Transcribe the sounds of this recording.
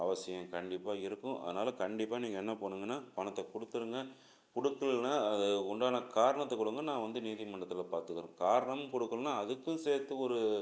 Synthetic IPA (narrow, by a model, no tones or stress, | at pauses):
ɐ̰ʋɐsɪjɐ̃mkɐɳɖɪpːaːɪɾɯkːʊ̃ʔɐ̰ðɐnaːlɐkɐɳɖɪpːaːniːŋɡɐɛnːɐpoːɳɯŋɡɐnːaːpɐɳɐt̪ːɐkʊɽɯt̪ːɯɾɯŋɡɐ | kʊɽɯkːɐɭnaːɐðɯʊɳɖaːnɐkaːɾɐɳɐt̪ːɐkʊɽɯŋɡɐnãːʋɐnd̪ɯniːðɪmɐɳɖɐt̪ːɪlɐpaːɾt̪ɯkːɯɾɯ̰̃kaːɾɐɳɐmɯkɔɽɯkːɯɭnːaːɐðɯkːɯ̃seːɾt̪ːɯɔɾɯ